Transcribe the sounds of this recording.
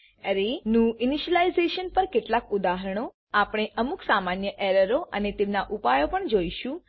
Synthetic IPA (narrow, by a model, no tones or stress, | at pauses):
əɾenũɪniʃəlaizeʃənpəɾkeʈlakud̪aɦəɾɽ̃o | apɽ̃eʔəmuksamanjəʔɛɾəɾoʔənet̪emnaʔupajopəɳd͡ʒoiʃũ